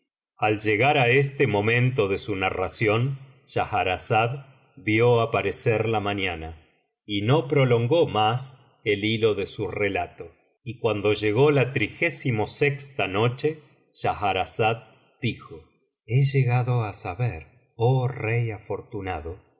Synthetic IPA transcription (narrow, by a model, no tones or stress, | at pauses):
alʒeɣaɾaes̬t̪emõ̞mẽ̞nt̪o̞ðe̞sunarasjo̞n | ʒ̥axaɾasað | bjoapaɾeseɾlamanana | ino̞pɾo̞lo̞ŋɡo̞mas | elilo̞ðe̞surelat̪o | ikwand̪o̞ʒe̞ɣo̞lat̪ɾixesimo̞sekst̪ano̞t͡ʃe | ʒ̥axaɾasad̪̚ | d̪̥ixo | eʒeɣaðo̞asaβeɾ | orejafo̞ɾt̪unaðo̞